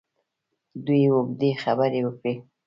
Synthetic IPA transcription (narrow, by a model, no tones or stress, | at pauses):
d̪ujwoɡd̪exabəɾewəkɽi